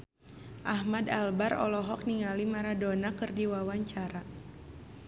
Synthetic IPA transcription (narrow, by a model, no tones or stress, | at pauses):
ʔahmadalbaɾɔ̰lɔɦɔk̚niŋalimaɾadɔnakɨrdiwawaɲt͡ʃaɾa